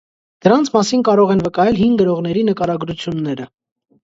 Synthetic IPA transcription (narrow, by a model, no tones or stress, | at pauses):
d̪̥əɾɑnt͡sʰmɑsinkɑɾɔʁɛnvəkɑjɛlɦinɡəɾɔʁnɛɾinəkɑɾɑɡɾut͡sʰjunːɛɾə